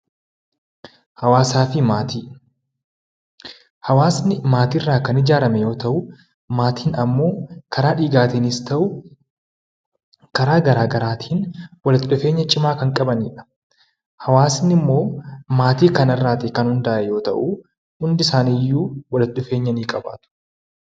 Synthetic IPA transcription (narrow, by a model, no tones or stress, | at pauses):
hɐwaːsaːfɪmat̪iː | hɐwaːsnɪmaːt̪iːrːaːkɐnɪd͡ʒaːɾɐmɛjo̞ːt̪ɐʔʊ | maːt̪ʰiːnɐmːo̞ːkʰɐɾaːᶑiːɡaːt̪iːnist̪ɐʔʊ | kɐɾaːɡɐɾaːɡɐɾaːt̪ʰiːnwɐlɐt̪ɗʊfe̞ːɲːɐt͡ʃʼɪmaːkɐŋkʼɐbɐniːᶑɐ̥ | hɐwaːsnɪmːo̞ːmaːt̪iːkɐnɐrːaːt̪ɪkɐnhʊnd̪aːʔɛjo̞ːt̪ɐ̰ʔu | hʊnd̪ɪsaːniːjːuːwɐlɐt̪ɗʊfe̞ːɲːɐniːkʼɐba̰ːt̪ʊ̥